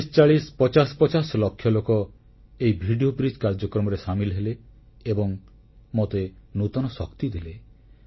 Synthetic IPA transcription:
ist͡ʃaɭispɔt͡ʃasɔ̥pɔt͡ʃaslokʰːjɔlokɔ | eibʱiɖiobɾid͡ʒkaɾd͡ʒɔkɾɔmɔɾesamilɔɦeleː | bɔŋ | mot̪enut̪ɔnɔsɔkt̪id̪ele

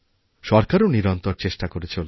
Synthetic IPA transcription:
ʃɔɾkaɾoniɾɔnt̪oɾt͡ɕeʃʈakoɾet͡ɕʰol

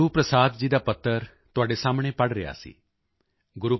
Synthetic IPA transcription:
uːpɾəsaːd̪d͡ʒiːd̪aːpət̪ʰːəɾ | t̪ʊaːɖesaːmɽ̃epɐɽɾɪ̰ja̰ːsḭː | ɡʊɾuː

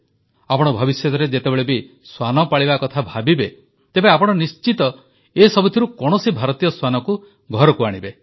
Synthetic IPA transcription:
apɔɽ̃ɔbʱɔbisjɔt̪ɔɾed͡ʒet̪ebeɭebi | swanɔpaɭibakɔt̪ʰabʱabibe | t̪ebeapɔɽ̃ɔnist͡ʃit̪ɔ | esɔbut̪ʰiɾukɔɽ̃ɔsibʱaɾɔt̪ijɔswanɔku | ɡʱɔɾɔkuaɽ̃ibe

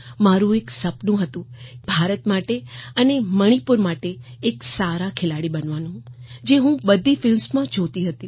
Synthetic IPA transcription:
maɾũeksəpnũɦət̪ũbʱaɾət̪maʈeəneməɽ̃ipʊɾmaʈeːksaɾakʰelaɽibənʋanũd͡ʒeɦũbəd̪ʱifɪlmsmãd͡ʒʰot̪iɦət̪i

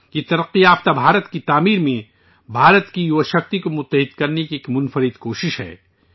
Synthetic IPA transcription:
jet̪ɐɾɐqːiaːft̪abʱaːɾət̪kit̪aːmiːɾmẽ | bʱaːɾət̪kijuʋʃɐxt̪ikomʊt̪ːəɦɪd̪kɐɾnekieːkmʊnfəɾɪd̪koːʃɪʃɦɛ̰ː

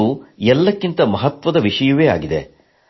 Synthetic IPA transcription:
uɛlːɐkːint̪ɐmɐɦɐt̪ʋɐd̪ɐʋiʂɐjuʋeːa̰ːɡid̪e̞̰

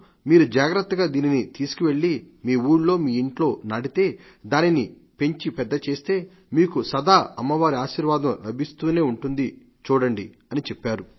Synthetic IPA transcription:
miːɾud͡ʒaːɡɾɐt̪ːɐɡaːd̪iːninit̪iːsu̥kiʋe̞ɭːi | miːuːɽlo̞ːmiːiɳʈlo̞ːnɐɽit̪e̞ː | d̪aːnini | pe̞ɲt͡ʃipɛd̪ːɐt͡ʃe̞ːst̪e̞ː | miːkusɐd̪aːɐmːɐʋaːɾiaːʃiːɾʋaːd̪ɐmlɐbʱist̪uːne̞ːuɳʈund̪i | t͡ʃuːɽɐɳɖi | ɐnit͡ʃepːaːɾu

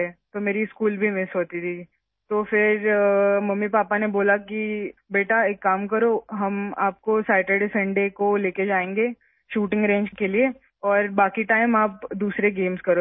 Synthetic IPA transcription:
ɛt̪omeːɾiɪskuːlbʱimɪsɦoːt̪it̪ʰi | t̪oːfɪɾmɐmːipaːpaneboːlakibeːʈaeːkːaːmkɐɾoɦɐma̰ːp̚kosaːɪʈəɖsɐ̃ɳɖekoleːked͡ʒaːẽːŋɡeː | ʃuːʈɪ̃ŋɡɾẽːɲd͡ʒkelie | ɔːɾbaːkiʈaːɪmaːpd̪uːsɾeɡeːmskɐɾo

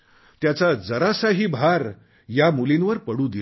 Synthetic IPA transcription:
t̪jat͡sad͡zəɾasaɦiːbʱaɾ | jamulinʋəɾpəɽũːd̪i

